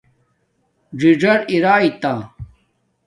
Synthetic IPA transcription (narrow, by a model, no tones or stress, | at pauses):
d͡ʑid͡ʑɐɾiɾaːit̪a